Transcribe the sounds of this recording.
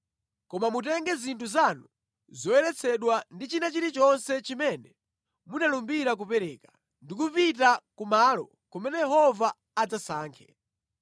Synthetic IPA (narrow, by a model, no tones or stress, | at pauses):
kɔmamut̬ɛŋɡɛzintʰuzanu | zɔɛɾɛt͡sʰɛɗwandit͡ʃinat͡ʃiɾit͡ʃɔnsɛt͡ʃimɛnɛ | munalumbiɾak̬upɛɾɛːka | ndik̬upit̬akumaːlɔ̰ | kɔmɛnɛjɛɦɔvaː | d͡zasaːŋkʰɛ̥